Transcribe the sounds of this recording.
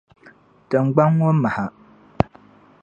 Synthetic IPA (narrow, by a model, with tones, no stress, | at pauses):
tɨ˨ŋ͡mɡ͡ba˦ŋ˦ŋo˦ma˨ha˨